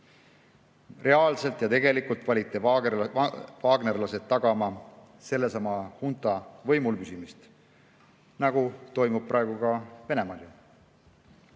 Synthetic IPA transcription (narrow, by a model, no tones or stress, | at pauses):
rʔe̞ɑːlse̞lt̪jɑt̪e̞ɡe̞likult̪ˑvɑlʲit̪ːˑe | vɑːɡ̥ne̞rlɑse̞t̪̚ːɑɡ̥ɑmɑ | se̞lːe̞sɑmɑhunt̪ˑɑvɤjmulkysimist̪ | nɑɡ̥ut̪o̞jmub̥̚prʔɑe̞ɡ̥ukɑve̞ne̞mɑli